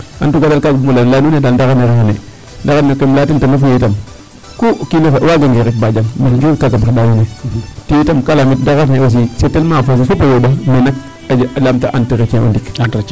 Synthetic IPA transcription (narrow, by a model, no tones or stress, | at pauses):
atuɡadalkaɡubumulanlanunedandaɣaneɾeanḛ | daɣanekemlatintenafujetam | kukilefewaɡaŋɡeɾifbad͡ʒammaɡikaɡabadanunetijitamkalamit̚daɣafewos̬isetːelmafas̬ifupajobamenak̚ | aalamtaʔantiɾekẽo̰ndik